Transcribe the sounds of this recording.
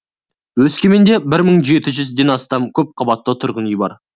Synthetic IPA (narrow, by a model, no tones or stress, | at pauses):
wɵskʲe̞me̞nd̪e̞bɪɾməɴʒe̞t̪ɪʒʏzd̪e̞nɑst̪ɑmkʲʰɵp̚qʰəbɑt̪ːət̪ʰʊɾʁənijbɑ̰ɾ